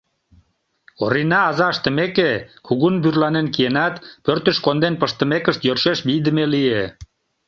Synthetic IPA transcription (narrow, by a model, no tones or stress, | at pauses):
o̰ɾinɑːzɑəʃt̪ə̆mekekʰuɣunbyrlɑnenkijenɑt̪pørt̪ə̆ʃkond̪enpəʃt̪ə̆mekəʃt̪jørʃeʃbijd̪əmelie